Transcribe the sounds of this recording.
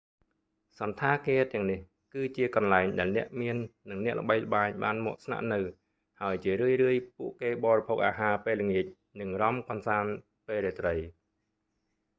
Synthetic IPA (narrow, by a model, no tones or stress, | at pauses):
sɑnt̪ʰaːkeːt̪ɛ̆əŋnih | kɨːt͡ɕiəkɑnlaɛŋɗaɛlnɛ̆əʔmiənːɨŋnɛ̆əʔlə̰̆ɓəjlə̆ɓaːɲɓaːnmɔ̆əʔsna̰ʔnɨw | haəjt͡ɕiəɾɨəjrɨəjpuəʔkeːɓɑːɾipʰok̚ʔaːɦaːpeːləŋiəc̚ | nɨŋrɑmkɑnsaːn | peːɾeːt̪rəj